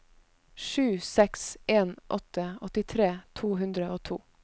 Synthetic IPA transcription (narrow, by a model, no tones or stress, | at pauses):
ʃʉːsɛksʔeːnʔɔt̪əɔt̪ɪt̪ʰɾeːt̪ʰuːɦʉnd̪ɾəʔoːt̪ʰṵː